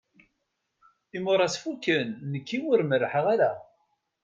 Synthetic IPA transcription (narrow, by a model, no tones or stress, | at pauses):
imʊɾˤæsfukːənːəkːiwʊɾmərːħəʁaɾa